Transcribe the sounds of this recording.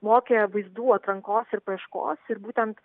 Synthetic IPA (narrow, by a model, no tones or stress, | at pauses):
moːkʲeːʋɐɪzd̪uːɐt̪ɾɐŋkoːsɪɾpɐɛʃko̰ːsɪɾbuːt̪ʲɛnt̪